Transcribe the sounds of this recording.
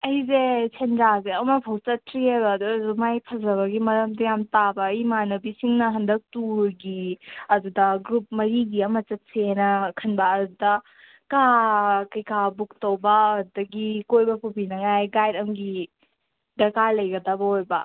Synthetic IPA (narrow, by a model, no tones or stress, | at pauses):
ɐjzesʰendɾazeɐmɐpʰɐwt͡ʃɐtʰɾiajbɐːduzumajpʰɐzɐβɐɡimɐɾɐmdɐjamtabɐːjmanɐbisiŋnɐɦɐndɐk̚tuɾɡiɐdudɐɡɾup̚mɐɾiɡiɐmɐt͡ʃɐt̚senɐkʰɐnbɐːdudɐ | kakɐjkabuk̚tɐwbɐːdudɐɡikojbɐpʰubinɐŋajɡajdɐmɡi | dɐɾkaɾlɐjɡɐdɐbɐojbɐ